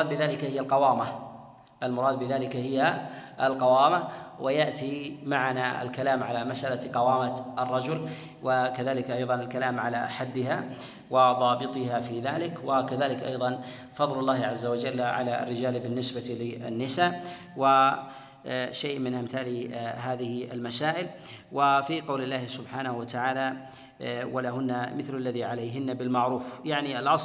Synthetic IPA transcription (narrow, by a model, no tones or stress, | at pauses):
d̪̚bɪðaːlɪkahɪjːalqɑwaːma | ʔalmʊɾˤɑːd̪̚bɪðaːlɪkahɪjːaʔalqɑwaːmawʔajaʔt̪ʰimaʕanaɪ̰lkalaːmʕalamasʔalaqɑwaːmat̪ɑrˤːɑd͡ʒʊl | wakaðaːlɪkʔɑjðˤɑnɪlkalaːmʕala̰ħad̪ːɪɦa | wɪðˤɑːbɨt̪ˤɨhafiðaːlɪkwakaðaːlɪkʔɑ̰jðˤɑn | fɑðˤlɑlˤːɑːhɪʕazːawad͡ʒalːʕa̰laa̰rːɪd͡ʒaːlbɪnːɪsbat̪lɪʔa̰nːɪsaː | wa | ʃajʔmɪnʔamθaːlɦaːðɪhɪʔɪ̰lmasaːʔɪl | wafiqɑwlɪlːaːhsʊbħaːnahuwat̪aʕaːla | walaɦʊnːamɪθlalːaðiʕalajɦɪnːabɪlmaʕɾuːfjaʕnialʔɑs